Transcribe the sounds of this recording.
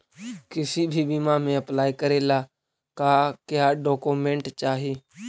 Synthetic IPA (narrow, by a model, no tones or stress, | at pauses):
kɪsiːbʱiːbiːmaːmẽːəplaːikəɾeːlaː | kaːkɪjaːɖɔːkoːmẽːɳʈt͡ʃaːɦeː